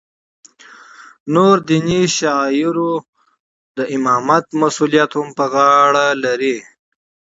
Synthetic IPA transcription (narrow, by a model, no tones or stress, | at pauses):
noɾd̪iniʃɑjɪɾo | d̪əʔɪmɑmat̪masulijat̪hʊmpəɣɑɽalaɾi